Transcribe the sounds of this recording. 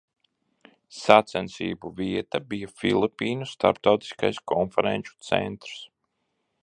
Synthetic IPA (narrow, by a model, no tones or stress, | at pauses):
sat̪sɛnsḭːbuviɛt̪abijafilˠipʲiːnust̪a̰ɾp̚t̪awt̪i̥ska̰jskɔnfɛɾɛnʲt͡ʃu̥t̪sɛ̰nt̪ɾs